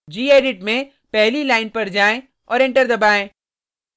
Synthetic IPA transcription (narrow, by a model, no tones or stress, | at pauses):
d͡ʒiːeːɖɪʈmẽ | pɛɦlilaːɪnpɐɾd͡ʒaːẽ | ɔːɾɪ̃ɳʈəɾd̪ɐbaːẽː